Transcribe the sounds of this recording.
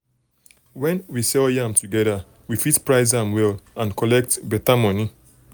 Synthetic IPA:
wɛ̃nwisɛljãmtʰuɡɛða | wifitpɹaɪz̬ãnwɛlãnkɔlɛk̚tbɛtamɔni

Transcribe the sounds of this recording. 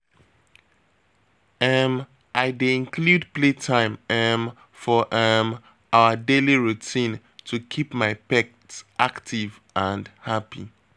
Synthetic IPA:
ɛm | ʔaɪdeĩnkʰludpletʰãɪ̃mɛm | fɔʔɛm | aʊədeliɹutʰĩn | tʰukʰipmaɪpɛk̚tsʔaktʰiv | ʔə̃ndhapḭ

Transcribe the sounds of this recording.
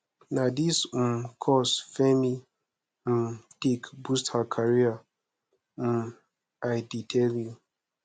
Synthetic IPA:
nadism̩kʰɔsfemi | m̩tikbusthakʰaɾia | m̩ | aɪditʰelju

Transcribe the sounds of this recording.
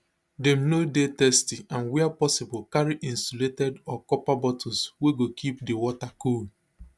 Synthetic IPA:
dɛ̃mnodetɛstiãnwɛapɔsɪbʊlkaɹiʔĩnsɔletɛdɔkɔpabɔtʰɔsweɡokʰipdewɔtakul

